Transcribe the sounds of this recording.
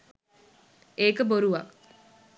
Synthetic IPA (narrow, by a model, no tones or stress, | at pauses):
eːkəboɾuʋak